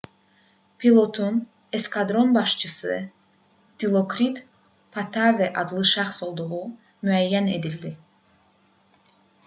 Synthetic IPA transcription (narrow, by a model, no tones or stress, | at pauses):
pʰilˠo̞t̪ʰun | eskɑd̪ɾo̞nbɑʃt͡ʃʰɯsɯ | d̪̥ilˠo̞kʰɾit̪ | pʰɑt̪ʰɑvæʔɑd̪lˠɯʃæχso̞lˠd̪uʁu | myæjːæne̞̰d̪ild̪i